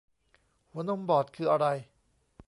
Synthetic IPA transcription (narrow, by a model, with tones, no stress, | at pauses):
wno˧mbɔː˨˩t̪̚kʰɯː˧ʔa˧ɾa˧j